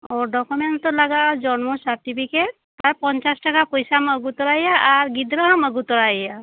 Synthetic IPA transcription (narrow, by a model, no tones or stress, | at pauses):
oɖɔkument̪ɔlaɡad͡ʒɔnmɔsaɾʈipʰike | t̪aɾpɔnt͡ʃasʈakapɔjsaməɡut̪ɔɾajaʔːɾɡid̪ɾɔɦɔməɡut̪ɔɾajja